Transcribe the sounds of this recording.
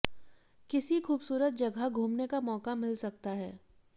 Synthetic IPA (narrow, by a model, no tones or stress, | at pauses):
kɪsixuːbsuːɾət̪̚d͡ʒɐɡʱaɡʱuːmnekamɔːkamɪlsɐkt̪aɦɛː